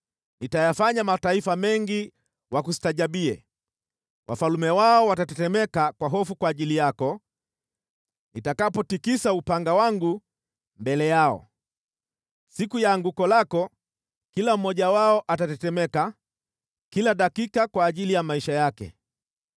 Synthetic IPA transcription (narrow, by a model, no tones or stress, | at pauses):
nitajafaɲamataifamɛŋɡi | wakusi̥taʄaɓiɛ̰ | wʔa̰falumɛwaɔwatatɛtɛmɛkakwaɦɔfukwaːʄilijakɔ | nitakapɔtikisaupaŋɡawaŋɡu | mbɛlɛjaɔ̰ | sikujaːŋɡukɔlakɔ | kilam̩mɔʄawaɔʔatatɛtɛmɛka | kilaɗakikakwaːʄilijamaiʃajakɛ̰